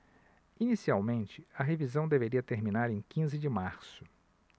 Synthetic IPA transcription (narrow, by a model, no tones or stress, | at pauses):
inisiawmẽnt͡ʃɪɐɦevizɐ̃w̃d̪eveɾiɐt̪eɾmĩnaɾẽj̃kĩzɪd͡ʒɪmaɾsʊ̥